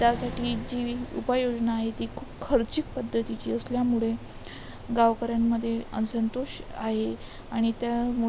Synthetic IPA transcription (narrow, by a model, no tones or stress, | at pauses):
t̪jasaʈʰiːd͡ʑiṵpajod͡ʑnaːɦet̪ikʰuːpkʰəɾt͡ɕik̚pəd̪ʱːət̪it͡ɕiːəsljamuɭe | ɡaʋkəɾjamːəd̪ʱːjeə̰nsənt̪oɕaɦe | aɽ̃it̪jamu